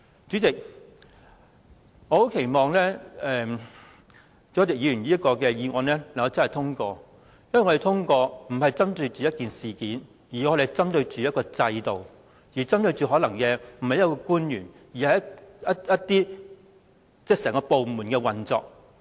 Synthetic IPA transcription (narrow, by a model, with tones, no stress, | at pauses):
t͡ʃyː˨˥t͡sɪ˨k̚ | ŋɔː˨˧˥ho˨˥wkʰe˨˩jmɔː˨ŋlɛː˥ɛː˨ | t͡sɔː˨˥t̪ɪ˨k̚jiː˨˧ɥyː˨˩njiː˥ɐ˥t̚kɔː˧kɛ˧jiː˨˧ŋɔː˨˧nlɛː˥lɐ˨˩ŋkːɐ˨˧t͡sɐ˥nhɐ˨˩t̪ʰʊ˥ŋkɔː˧ | jwɐ˨jŋɔ˨˧e˨jt̪ʰʊ˥ŋkɔː˧m̩˨˩hɐ˨jt͡sɐ˥mt̪ɵ˧ɥt͡ʃyː˨jɐ˥t̚kiː˨nsiː˨kiː˨˥n | jiː˨˩ŋɔː˨˧ɾe˨˩jt͡sɐ˥mt̪ɵ˧ɥt͡ʃyː˨˦jɐ˥t̚kɔː˧t͡sɐ˧jt̪o˨˩w | jiː˨˩t͡sɐ˥mt̪ɵ˧ɥt͡ʃyː˨˩ɦɔː˨˥lɐ˨˩ŋkɛ˧m̩˨˩hɐ˨jɐ˦˥kɔː˧kuː˥njyː˨˩n | jiː˨˩hɐ˨jɐ˥jɐ˥t̚t̪iː˥ | t͡sɛ˥sɛː˨˩ŋkɔː˧po˨wmuː˨˩nkɛː˧wɐ˨nt͡sɔ̰ː˨k̚